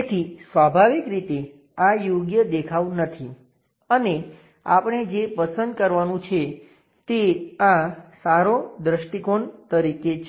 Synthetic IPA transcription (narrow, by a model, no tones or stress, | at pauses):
t̪ʰisʋabʱaʋikɾit̪e | ajoɡjəd̪ekʰaʋunət̪ʰi | əne | a̰pɳed͡ʒepəsənd̪̚kəɾʋanũt͡ʃʰe | t̪eãsaɾod̪ɾəʃʈikont̪əɾiket͡ʃʰ